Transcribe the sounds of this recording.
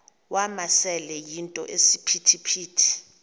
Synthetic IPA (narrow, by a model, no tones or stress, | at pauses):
wamasɛlɛjintʼɔ̰ʔesipʰitʰipʰiːtʰi̥